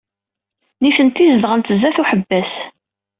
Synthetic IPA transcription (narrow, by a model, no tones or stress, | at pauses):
niθənt̪ːizlʁənt̪əzːæθuħəbːæs